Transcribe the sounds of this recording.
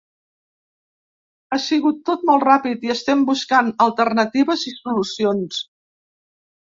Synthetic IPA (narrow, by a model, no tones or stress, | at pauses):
asiɣut̪ːot̪̚mɔlˠtrapit̪iəst̪ɛmbuskanəlˠt̪əɾnət̪iβəzisulusions